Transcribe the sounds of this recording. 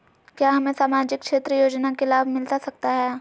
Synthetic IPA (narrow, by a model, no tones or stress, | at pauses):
kjaːɦɐmẽsaːmaːd͡ʒɪk̚kʃeːt̪ɾəjoːd͡ʒnakelaːbʱmɪlt̪asɐk̚t̪aɦɛː